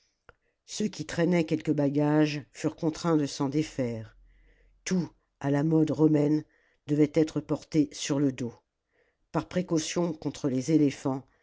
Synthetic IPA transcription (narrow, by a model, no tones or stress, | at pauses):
søkʲit̪χɛnɛkʲɛlkəbaɡaʒfyʁkɔ̃t̪χɛ̃d̪əsɑ̃d̪efɛʁ | t̪u | alamɔd̪ʁɔmɛn | d̪əvɛt̪ɛt̪χəpɔʁt̪esyʁləd̪o | paʁpχekosjɔ̃kɔ̃t̪χəlezelefɑ̃